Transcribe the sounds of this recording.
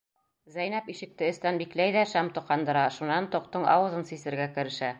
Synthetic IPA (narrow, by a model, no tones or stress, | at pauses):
zæjnæpiʃɘ̆k̚t̪ɘɘ̆st̪ænbiklæjðæʃæmt̪ŏqɑnd̪ɤ̆ɾɑʃunɑnt̪uq̚t̪ɤɴʔɑ̰wɤ̆zɤnsisɘ̆ɾɡækɘ̆ɾɘ̆ʃæ